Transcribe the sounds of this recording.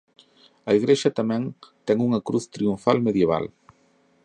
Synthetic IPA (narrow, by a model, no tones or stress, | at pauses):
ɐiɣɾeʃɐt̪amɛ̃ŋt̪ɛŋuŋɐkɾuθt̪ɾiũfalmeðjeβ̞a̰l